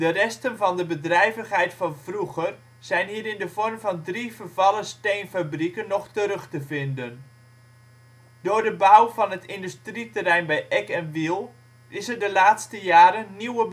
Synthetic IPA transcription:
d̥ərɛstənvɑndəbədrɛjvəχɦɛjtfɑnv̥ruɣər | z̥ɛjnɦiːɾɪndəvɔrmvɑndrivərv̥ɑləstejnfabrikənːɔχtəɾɵxtəvɪndən | dʊːrdəbawvɑnɦətɪndystritərɛjnbɛjʔɛkɛnʋilˠ | ʔɪsərdəlaːtstəjaːɾənːiwəb

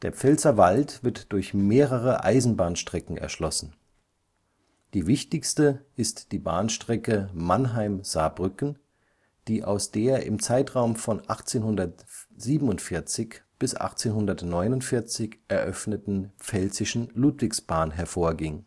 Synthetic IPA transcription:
d̥eːɐp͡fɛlt͡sɐvaltv̥ɪɐtd̥ʊɐçmeːʁəʁ̞əʔa̰ɪzn̩baːnʃtʁ̥ɛkŋ̩ɛ̰ɐʃlɔsn̩ | d̥iːvɪçtɪçstəʔɪstd̥iːba̰ːnʃtʁ̥ɛkəmanɦaɪmz̥aːbʁʏkn̩ | d̥iːʔa̰ʊsd̥eːɐʔɪ̰mt͡saɪtʁ̥aʊmfɔnʔaχt͡seːnhʊndɐtz̥iːbm̩ʊntfɪɐt͡sɪçb̥ɪsʔa̰χt͡seːnɦʊndɐtnɔʏnʊntfɪɐt͡sɪçʔɛɐʔœfnətn̩p͡fɛlzɪʃn̩luːtv̥ɪksb̥aːnɦɛɐfoːɐɡɪŋ

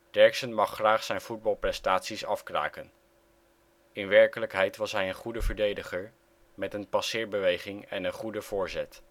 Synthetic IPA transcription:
d̥ɛɹksənmɑχːraːχsɛjnv̥ud̚bɑlˠprɛstaːtsisɑfkra̰ːkən | ɪnʋɛɹkələkɦɛjtʋɑsɦɛjənχudəvəɹdejdəχəɹ | mɛtənpɑsɪːɹbəʋejχɪŋɛnənχudəv̥ʊːɹzɛt

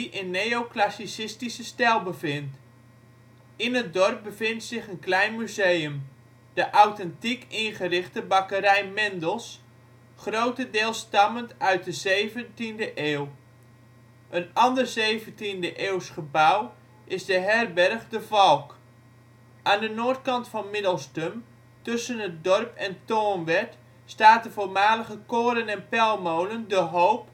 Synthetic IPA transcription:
ʔɪnːejoklasisɪstisəstɛlˠbəvɪnt | ɪnət̚dɔrp̚bəvɪntsɪχənklɛjnmyzejəm | dəʔawtɛntikɪnχərɪχtəbɑkəɾɛjmɛndəlˠs | χrowtədɪːlˠstɑməntœɥt̚dəzejvəntindəʔeːw | ʔənɑndərzejvəntindəʔeːwsχəbaw | ʔɪzdəɦɛrbɛrχdəvɑlˠk | ʔaːndənoːt̚kɑntfɑnmɪdəlˠstəm | tɵsənɦət̚dɔrpɛntoːnʋɛt | staːt̚dəvoːlmaːləχəkoːɾənɛnpɛlˠmowləndəɦowp

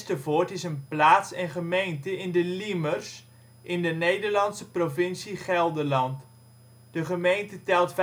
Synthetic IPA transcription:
stəvoːtɪsənplaːtsɛnχəmejntəɪndəlimərs | ʔɪndənejdərlɑnsəprofɪnsiχɛlˠdəlɑnt | d̥əχəmejntətɛlˠtf

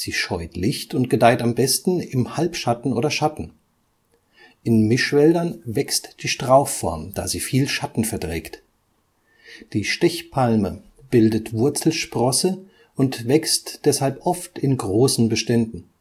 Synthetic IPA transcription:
z̥iːʃɔʏtlɪçtʊnt̚ɡ̥ədaɪtambɛstn̩ɪmhalpʃatn̩ʔoːɾɐʃatn̩ | ʔɪnmɪʃv̥ɛldɐnvɛkstd̥iːʃtʁ̥aʊfːɔɐmd̥aːziːfiːlʃatn̩fɛɐdʁɛːkt | d̥iːʃtɛçpʰalmə | b̥ɪldətv̥ʊɐt͡sl̩ʃpʁ̥ɔsə | ʊntv̥ɛkstd̥ɛshalpʔɔftɪnɡʁoːsn̩bəʃtɛndn̩

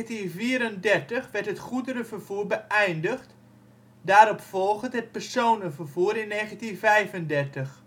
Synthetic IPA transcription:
tinviəɾəndɛrtəχʋɛrtɦətχudəɾəvərv̥uːrbəʔɛjndəχt | daːɾɔpfɔlˠɣətɦət̚pərsoːnəvərvuəɾɪnːeːɣəntinvɛjvəndɛrtəx

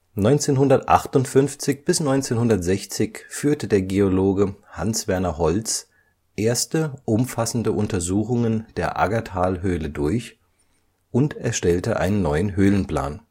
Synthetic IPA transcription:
nɔʏnt͡seːnɦʊndɐtʔa̰χtʊntfʏnft͡sɪçb̥ɪsnɔʏnt͡seːnhʊndɐtz̥ɛçt͡sɪçfyːɐtədeːɐɡeoloːɡəhansv̥ɛɐnɐhɔlt͡s | ʔeːɐstəʔʊmfasn̩dəʔʊntɐzuːxʊŋənd̥eːɐʔa̰ɡatʰaːlɦøːlədʊɐç | ʔʊntɛɐʃtɛltəʔa̰ɪnənːɔʏənɦøːlənpl̥a̰ːn

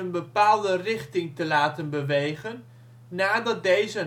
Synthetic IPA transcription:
ənbəpaːlˠdərɪχtɪŋtəlaːtənbəʋejχənː | aːdɑt̚dejzə

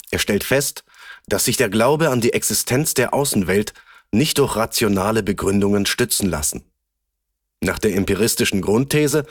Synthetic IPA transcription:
ʔeːɐʃtɛltfɛst | d̥asz̥ɪçd̥eːɐɡlaʊbəandiːʔɛksɪstʰɛnt͡sd̥eːɐʔaʊsn̩vɛltnɪçt̚d̥ʊɐçʁ̥at͡sjonaːləbəɡʁʏndʊŋənʃtʏt͡sn̩la̰sn̩ | na̰ːχd̥eːɐɪmpiʁ̞ɪstɪʃn̩ɡʁʊntʰːɛːzə

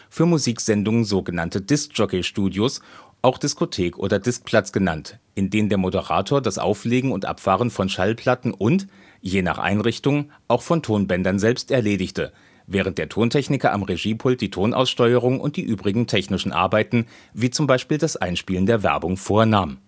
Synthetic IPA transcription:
fyːɐmuziːkz̥ɛndʊŋənzoːɡənantəd̥ɪsk̚d͡ʒ̥ɔkeʃtuːdjosʔaʊxd̥ɪskotʰeːkʔo̰ːdɐdɪsk̚pʰl̥at͡sɡ̥əna̰ntʔɪndeːnəndeːɐmodəʁa̰ːtʰoːɐdasʔa̰ʊfleːɡŋ̩ʊntʔa̰pfaːʁ̞ənfɔnʃalpʰl̥atn̩ʔʊnt | jeːna̰ːχʔa̰ɪnʁɪçtʊŋ | ʔaʊxfɔntʰoːnbɛndɐnzɛlpstɛɐleːdɪçtʰə | vɛːʁ̞ənt̚d̥eːɐtʰoːntʰɛçnɪkɐʔa̰mʁeʒiːpʰʊltd̥iːtʰoːnʔa̰ʊsʃtɔʏəʁ̞ʊŋnʔʊ̰nt̚d̥iːʔyːbʁɪɡŋ̩tʰɛçnɪʃn̩ʔa̰ɐbaɪtn̩viːt͡sʊmbaɪʃpiːldasʔa̰ɪnʃpiːlən̩deːɐvɛ̰ɐbʊŋfoːɐnaːm

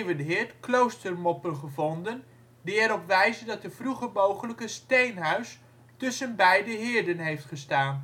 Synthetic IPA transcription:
vədɦɪːɹtklowstərmɔpənχəvɔndən | diɛɾɔpʋɛjzədɑtəfruχəmowχələkəstejnɦœɥs | tɵsənbɛjdəɦɪːɹdənɦejftχəstaːn

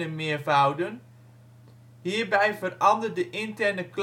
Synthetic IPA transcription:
əmɪəvawdən | hiːrbɛjvərɑndərdəʔɪntɛrnəkl

